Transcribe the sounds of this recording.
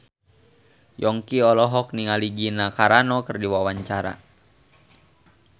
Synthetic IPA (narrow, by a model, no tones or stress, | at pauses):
jɔŋkiɔlɔɦɔk̚niŋaliɡinakaɾanɔkərdiwawaɲt͡ʃaɾa̰